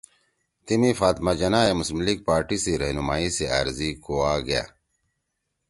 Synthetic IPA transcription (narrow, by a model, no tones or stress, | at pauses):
t̪imifaːt̪mad͡ʑɐnaːemʊsmliɡ̚paːɾʈisiɾɐɦnumaːisea̰ːɾzikoaːɡɐja̰ː